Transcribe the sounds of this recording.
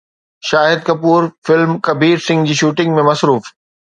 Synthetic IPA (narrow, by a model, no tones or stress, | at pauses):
ʃaːɦɪd̪̚kɐpuːɾfɪlmkɐbiːɾsɪ̃ŋɡd͡ʑiːʃuːʈɪ̃ŋɡmẽmɐsɾuːf